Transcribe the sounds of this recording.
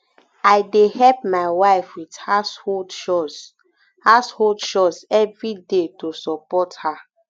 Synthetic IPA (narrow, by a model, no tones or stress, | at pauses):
ajdehɛp̚maɪwaɪfwithasholdʃɔs | hasholdʃɔsɛvɹidetosɔpɔtha